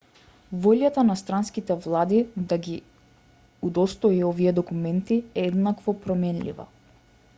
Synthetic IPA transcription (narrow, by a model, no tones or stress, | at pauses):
vɔʎat̪anast̪ɾanskit̪ɛvlˠad̪id̪aɡi | ud̪ɔst̪ɔiɔviɛd̪ɔkumɛnt̪iɛɛd̪nakvɔpɾɔmɛnlḭva̰